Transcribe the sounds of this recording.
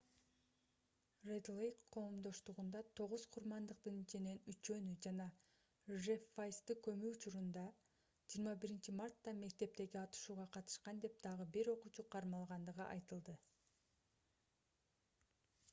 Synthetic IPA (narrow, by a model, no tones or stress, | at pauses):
red̪lˠejkqʰːo̞ːmd̪o̞ʃt̪uʁund̪ɑt̪ʰo̞ʁuz̥qʰuɾmɑnd̪ɯq̚t̪ɯnit͡ʃine̞nyt͡ʃø̞nyd͡ʒɑnɑ | ʒefajst̪ɯkø̞myːt͡ʃuɾund̪ɑ | d͡ʒijːɾmɑbiɾint͡ʃimɑrt̪ːɑme̞k̚t̪e̞p̚t̪e̞ɡiɑt̪ɯ̥ʃuːʁɑqʰɑt̪ɯ̥ʃqɑnd̪e̞p̚d̪̥ɑʁɯbiɾo̞qut͡ʃuqʰɑɾmɑlˠʁɑnd̪ɯʁɯʔɑ̰jt̪ɯlˠd̪ɯ